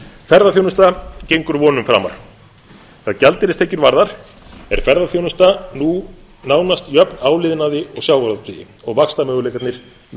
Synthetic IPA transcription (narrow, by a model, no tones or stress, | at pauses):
fɛɾðaθjownʏst̪acejŋkʏɾvɔːnʏmfɾa̰ːma̰ɾ̥ | θaðcalt̪ɪɾɪst̪eːjcʏɾvaɾðaɾ̥ | ɛɾ̥fɛɾðaθjownʏst̪anu | naːwnast̪jœpnaːwlɪðnaðɪɔɣsjaːwvaɾðat̪ʰijɪ̰ | ɔɣvaxst̪amœːɣʏlejkat̪nɪɾ̥